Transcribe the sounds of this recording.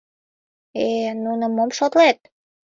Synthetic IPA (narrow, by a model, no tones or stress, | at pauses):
enunəmomʃot̪let̪̚